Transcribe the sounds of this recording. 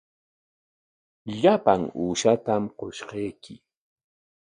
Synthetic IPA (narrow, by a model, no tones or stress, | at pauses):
ʎapaŋuːʃat̪amqoʃqejkɪ